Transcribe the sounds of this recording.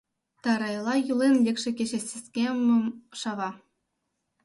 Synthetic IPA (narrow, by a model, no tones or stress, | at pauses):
t̪ɑɾɑjlˠɑjulˠenlʲekʂɘ̆kʲeɕĕsʲesʲkʲemumʂɑʋɑ